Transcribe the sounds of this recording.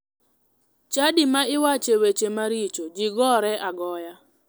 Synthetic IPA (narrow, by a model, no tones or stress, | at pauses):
t͡ʃadimaɪwat͡ʃewet͡ʃemaɾit͡ʃod͡ʒɪɡɔɾɛʔaɡɔja